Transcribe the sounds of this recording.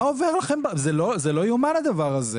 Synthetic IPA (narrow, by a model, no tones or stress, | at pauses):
oveʁlaχe̞mbazelozelo̞jumanad̪avaʁaze